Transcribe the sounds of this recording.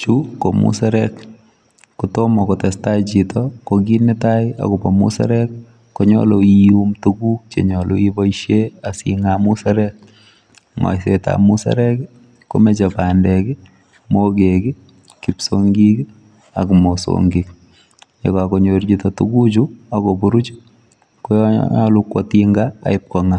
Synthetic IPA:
t͡ʃuko̰mṵsaɾɛk | kutomɔkotɛstat͡ʃitɔkokinɪtaja̰kʊpɔmṵsa̰ɾɛkː | oɲɔ̰loijumtukuk̚t͡ʃḛɲɔloibɔiʃjeasḭŋamusaɾɛk̚ | ŋɔ̰jseta̰musa̰ɾɛk | ko̰met͡ʃapaːndɛkɪ | mokekɪ | kipsoŋɡik | akmoso̰ŋɡik | ɲekakoɲoɾt͡ʃitɔtukut͡ʃuakopuɾut͡ʃ | kojalukwɔtiŋɡa̰ːɪp̚kɔŋa

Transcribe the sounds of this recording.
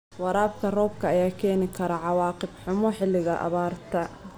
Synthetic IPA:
wɑɾaːbkʰɐrɔːb̚kʰɐːjaːkʰɛːnɪkʰɐɾɐʕɑwɑːqɪbħʊmɔħɪlːɪɣɐʔɑ̰βaːrt̪ʰɐ

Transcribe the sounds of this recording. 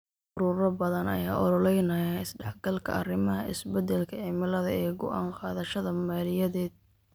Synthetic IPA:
ʊɾʊːɾɐbɐðɐnɐ̰jaːʔɔɾɔlɛjnɐjaɪsɖɑħɡɐlkʰɐ̰ʔɐrɪmɐɦɐʔɪ̰sbɛd̪ɛlkʰɐʕɪmɪlɐðɐɛːɡʊ̰ʔa̰ːɴqɑːðɐʃɐðɐmaːlɪjɐðɛːd̪̥̚

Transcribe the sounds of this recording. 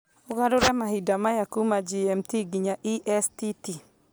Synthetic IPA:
oɣaɾʊɾɛmahidamajakumad͡ʒiɛmtiɡiɲaʔiʔɛstiti

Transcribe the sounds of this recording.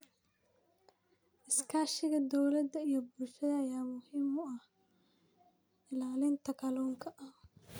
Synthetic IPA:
ʔɪskʰaːʃɪɣɐd̪ɔwlɐd̪ɐijɔbulʃɐðɐːjaːmʊhiːmʊɐh | ɪlaːlɪnt̪ʰɐkʰɐluːŋkʰɐʔɐ

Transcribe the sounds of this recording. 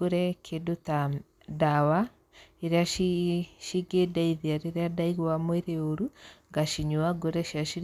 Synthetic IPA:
oɾɛkʰedota | dawa | eɾeaiʃiɡedaiðiaɾeɾeadaiɣwamweɾeoɾuŋɡaʃiɲoaɡoɾɛʃiaʃi

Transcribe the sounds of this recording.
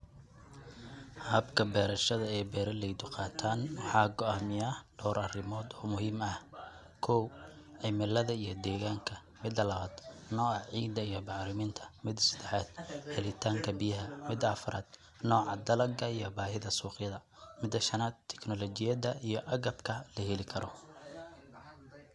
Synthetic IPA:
hɐːbkʰɐbɛːɾɐʃɐðɐɛːbɛːɾɐlɛjd̪ʊqɑːt̪ʰaːnwɑħɑːɡɔaːmɪjaːhɖ̥ɔːɾɐrɪmɔːd̪ɔːmʊɦiːmɐh | kʰɔw | ʕɪmɪlɐðɐijɞd̪ɛːɣaːŋkʰɐ | mɪd̪ɐlɐβaːd̪nɔːʕɑʕiːd̪ɐijɞbɑʕɾɪmɪːnt̪ʰɐ̥mɪd̪sɐ̥d̪ɛħaːd̪̥hɛlɪt̪ʰaːŋkʰɐbijɐɦɐmɪd̪ɐfʊɾaːd̪̥ | nɔːʕɑd̪ɐlɐɡɐijɔbaːhɪðɐsuːqjɐðɐ | mɪd̪ːɐʃɐnaːd̪t̪ʰɛ̥knɔlɔt͡ʃɪjɐðɐijɔʔɐɣɐbkʰɐlɐhɛlɪkʰɐɾɔ

